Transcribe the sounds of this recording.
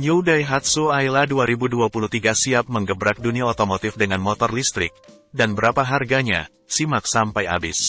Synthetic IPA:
ɲuwdajɦat̪̚suajladuaɾibuduapuluht̪iɡasiap̚məŋɡəbɾak̚duniaot̪omot̪ɪfdəŋanmɔt̪ɔrlist̪ɾɪk̚ | danbəɾapaɦarɡaɲa̰ | simak̚sampaja̰bɪ̰s

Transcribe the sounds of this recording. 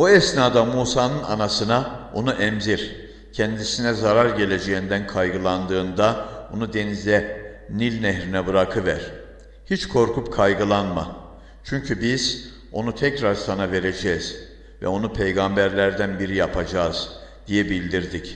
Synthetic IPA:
uɛsnaːd̪amuːsaːnɯna̰nasɯnao̞nuʔɛmziɾ | cʰɛnd̪isinɛzaɾaɾɟe̞lʲe̞d͡ʒe̞jind̪ænkʰajɡɯlˠand̪ɯːnd̪aonud̪e̞nizlʲɛ | nilʲnɛɦɾinɛbɯɾakʰɯvæ̰ɾ̥ | hit͡ʃkʰo̞ɾkʰup̚kʰajɡɯlˠanma̰ | t͡ʃʰyɲcʰybiz̥ | o̞nut̪ʰɛcɾaɾsanave̞ɾe̞d͡ʒɛːz̥ | vɛ̰o̞nupʰejɡambæɾlʲæɾd̪ænbiɾijapʰad͡ʒaːz̥d̪ijɛbilʲd̪iɾd̪ic

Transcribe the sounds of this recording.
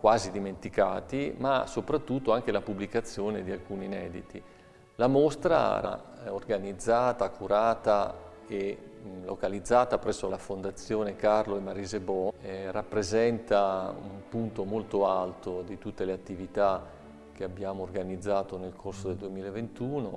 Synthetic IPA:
kwaːzid̪iment̪ika̰ːt̪ima̰sopɾat̪ːut̪ːoaŋk̟elapublikat̪sːjoːned̪ialkuːninɛːd̪it̪i | lamost̪ɾa̰ra̰orɡanid̪zːaːt̪akʰuɾaːt̪a | elokalid̪zːaːt̪apɾɛsːolafond̪at̪sːjoːnekarloemːaɾiːzebɔrapːɾezɛnt̪aṵmpunt̪omolt̪oalt̪od̪it̪ut̪ːeleat̪ːivit̪a | k̟eabːjaːmoːrɡanid̪zːaːt̪onelkʰorsod̪eld̪uwemiːlaevent̪uːno

